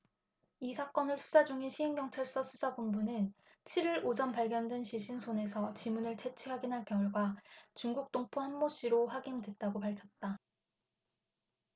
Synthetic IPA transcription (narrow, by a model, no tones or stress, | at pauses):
isʰak͈ʌnɯɭsʰu̥sʰad͡ʑuŋiɕʰiɦeŋɡjʌŋt͡ɕʰaɭs͈ʌsʰusʰabunbunɯn | t͡ɕʰiɾiɾod͡ʑʌnpaɭɡjʌndwenɕʰiɕ͈ʰinsʰone̞sʰʌt͡ɕimunɯɭt͡ɕʰe̞t͡ɕʰiwaɡinɦankjʌŋuɭɡwat͡ɕuŋɡuk̚t͈oŋpʰohanmoɕ͈iɾoɸwaɡinidwe̞t̚t͈aɡopaɭkʰjʌt̚t͈a